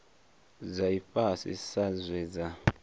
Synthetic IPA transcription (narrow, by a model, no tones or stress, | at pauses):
zaiɸʼasḭsazwɛd͡za